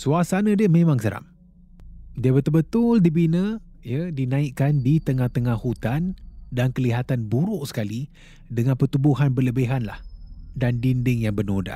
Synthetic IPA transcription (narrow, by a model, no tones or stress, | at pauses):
suasanə̃diəmemãŋsəɾa̰m | diəbət̪əlbət̪ʊldibinə | jədinãiʔkːandit̪əŋaht̪əŋahhut̪andankəliɦat̪anbuɾʊʔsə̥kali | dəŋãnpət̪ubuɦanbərləbeɦanla̰hdandindɪŋjaŋbənoda̰